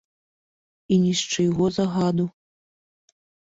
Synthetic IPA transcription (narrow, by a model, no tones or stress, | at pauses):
inʲisʈ͡ʂɨjɣozaɣad̪u